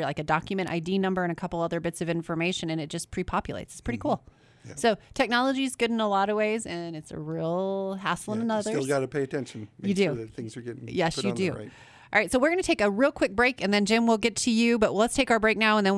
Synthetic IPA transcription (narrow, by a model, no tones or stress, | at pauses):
la̰ɪkɨdɑkjɨmɨ̃ɾ̃ʔa̰ɪdinʌ̃mbə˞ɨ̃ñɨkʰʌpl̩ˠʌðə˞bɪtsʌvɪ̃ɱfə˞meɪʃɨ̃nɨ̃nɨt̚d̥ʒ̥ʌspʰɹ̥ipʰɑpjɨlˠḛɪtsɨ̥tspʰɹ̥ɪɾikʰulˠ | soʊtʰɛk̚nɑlˠəd͡ʒizɡʊɾɨ̃nəlɔɾʌweɪzɨ̃nɨtsɨ̰ɹilˠɦæsl̩ˠə̃nənʌðə˞lˠɡɑɾɨpʰeɪɨtʰɛ̃nʃn̩jɨdʉðt̪θɪ̃ŋzə˞ɡɛɾɪ̃jɛsjɨdʉ̰ | ɑɹaɪtsoʊwɨɹɡʌnɨtʰeɪkɨɹilˠkʰw̥ɪk̚b̥ɹeɪkɨ̃nðɨ̃nd͡ʒɪ̃mwɪlˠɡɛtʰɨjʉbʌʔ̚wlətstʰeɪkaʊə˞bɹeɪk̚naʊə̃nðɨ̃n